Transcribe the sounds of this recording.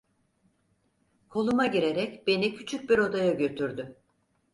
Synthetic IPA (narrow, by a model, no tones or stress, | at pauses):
kʰo̞lˠumaɟiɾe̞ɾɛcbe̞nicʰyt͡ʃʰyc̚biɾo̞d̪ajaɟø̞t̪ʰyɾd̪y